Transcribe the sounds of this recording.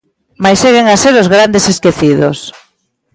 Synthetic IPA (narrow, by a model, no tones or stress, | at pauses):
majseɣeŋaseɾozɣɾand̪eseskeθiðos